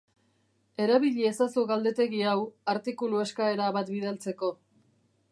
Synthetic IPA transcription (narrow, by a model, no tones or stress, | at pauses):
e̞ɾaβiʎiesasuɣald̪e̞t̪e̞ɣiawaɾt̪ikulueskae̞ɾaβat̪biðalt͡se̞ko̞